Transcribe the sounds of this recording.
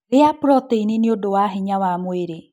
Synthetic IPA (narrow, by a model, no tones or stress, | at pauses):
eapɾɔteineniodowaɦeɲawamoeɾe